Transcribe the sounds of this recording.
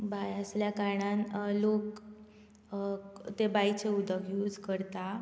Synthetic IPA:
bajəsljakaɾɳanlok | t̪ebajt͡seud̪ʱəkjuːd͡zkəɾt̪a

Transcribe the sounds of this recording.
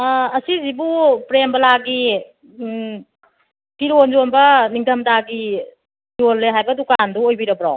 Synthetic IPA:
ɐsizibupɾembɐlaɡi | piɾonzonbɐniŋtʰɐmtaɡi | jolːeɦajbɐdukanduojbiɾɐbɾa̰w

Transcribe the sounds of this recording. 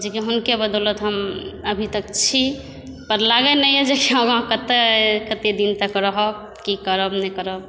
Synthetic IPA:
d͡ʒekiɦunkebəd̪ɔlət̪ɦəməbʱit̪ək̚t͡ʃʰi | pəɾlaɡənəjɛd͡ʒekiəbɦãkət̪ekət̪ed̪int̪əkɾəɦɔ | kikəɾəbnɛkəɾəb

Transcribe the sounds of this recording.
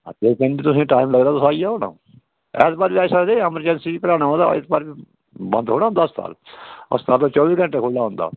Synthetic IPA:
dekenbiːt̪ʊsẽːʈaːimləɡd̪aːt̪ʊsaːiaːɦoːnã̰ː | ɛ̰ːsbaːɾbiːaːsad̪eəməɾd͡ʒɛnsiːkəɾaːñaːɦõnd̪a̰ɪ̰sbaːɾbiː | bə̃nd̪ɦoːnaːɦʊ̃nd̪aːʊst̪ʰa̰ːlə̰st̪aːlt̪õːt͡ʃɔːbiːkə̃ɳʈeːkʰʊlːaːɦʊ̃ːnd̪a̰ː

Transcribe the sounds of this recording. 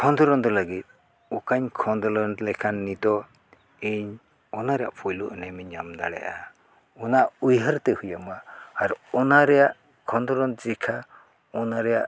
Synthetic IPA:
kʰɔnd̪ɔɾɔnd̪ɔlaɡit̪̚ | ɔkaɲkʰɔnd̪ɔlɔnlɛkʰanːid̪ɔ | iɲ | ɔnaɾɛja̰ʔpʰɔjluʔnɛmiɲamd̪a̰ɽɛ̰ʔa̰ | ɔnaʔujɦəɾt̪ɛhujamaːɾɔnaɾɛjaʔ | kʰɔnd̪ɔɾɔnd͡ʒɛkʰa | ɔnaɾɛjaʔ

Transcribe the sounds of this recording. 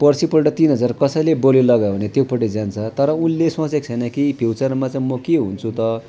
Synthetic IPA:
pʌrsipʌlʈʌt̪inɦʌd͡zarkʌsʌjlebolelʌɡabʱnet̪jopʌʈed͡zant͡sʰʌt̪ʌɾʌunlesʌ̃t͡sek̚t͡sʰʌjnʌkipʰjiwt͡sʌrmat͡saĩmʌkeɦṵnt͡sʰut̪ʌ

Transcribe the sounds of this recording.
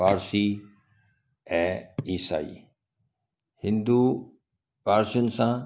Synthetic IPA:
aːɾsi | ɛ̃ːisa̰ːḭː | hɪ̃nd̪u | paːɾsijʊnɪ̆sã

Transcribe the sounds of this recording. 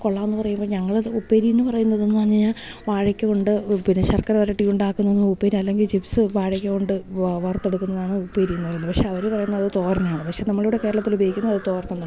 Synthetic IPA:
koɭːaːenːɨpɐrɐjumbo̞ːɲɐŋːɐɭupːeːɾijunːɨpɐrɐjunːɐðe̞nːɨɐɲːiɲaːʋaːɻɐkʲːɨko̞ɳɖɨpinɐɕɐrkɐɾʋɐɾɐʈːijuɳɖaːkːunːɐenːupːeːɾiɐlːe̞ŋɡilt͡ɕifsɨʋaːɻɐkʲːɨko̞ɳɖɨʋɐrt̪ːe̞ɽukːunːɐðaːɳɨupːeːɾijunːupɐrɐjunːɐpɐkʂeɐʋɐɾepɐrɐjunːɐðɐðɨt̪o̞ːɾnɐmaːɳɨpɐkʂe̞nɐmːɐɭijuːɽeke̞ːɾɐɭɐt̪ːilubɐjikʲːunːɐðɐðɨt̪o̞ːrnɐnːa

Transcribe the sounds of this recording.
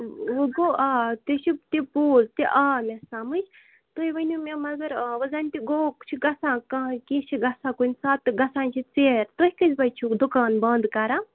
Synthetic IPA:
uɡoʔaːt̪it͡ʃʰit̪ipuːzt̪iʔaːmʲesamɨt͡ʃʰ | t̪oiʋɐnʲumemɐɡɐɾʋɐzaːnʲt̪iɡoːkt͡ʃʰiɡɐsãːkãkit͡ʃʰiɡɐsãːkunʲsaːt̪ːɨɡɐsãːnʲt͡ʃʰit͡seːɾt̪oɦʲkɨzʲbɐt͡ʃʰud̪ukaːnbɐːnd̪kɐɾãː

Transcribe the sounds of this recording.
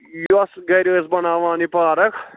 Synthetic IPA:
josɡɐɾoːsbɐnaːʋaːnipaːɾɐkʰ

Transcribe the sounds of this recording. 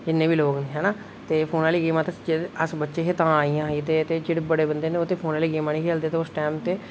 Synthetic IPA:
d͡ʒɪnːẽːbiːloːɡnːɦɛːnaː | t̪eːpʰoːnaːliːɡeːmaːt̪ed͡ʒəsbətːʃeːkeːt̪ãːaːiːjãːɦiːt̪eːt̪eːd͡ʒɪɽbəɽeːbənd̪eːneoːt̪eːpʰoːnaːliːɡeːmaːniːkʰeːld̪eːt̪eʊsʈɛːmt̪eː

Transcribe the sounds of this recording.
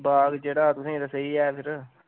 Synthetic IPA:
baːɡd͡ʒeːɽaːt̪ʊsĩːɾəsəiːɛːpʰɪɾ

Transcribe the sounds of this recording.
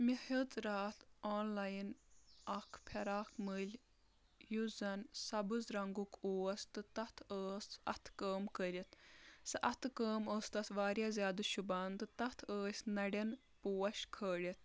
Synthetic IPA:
mihɐt͡sɾaːt̪ʰaːnlaːjinɐkʰpʰʲɐɾaːkʰmɨlʲ | juzɐnsɐbɨzɾɐŋɡukʰoːɐst̪ɨt̪ɐt̪ʰəːsɐ̰t̪ʰkəːmkəɾʲit̪sɨʔɐt̪ʰɨkəːməːst̪ɐsʋaːɾʲjaːzʲaːd̪ɨʃubaːnt̪ɨt̪ɐt̪ʰəːsʲnɐɽɐn | puːɐʃkʰəːɽit̪̚ʰ

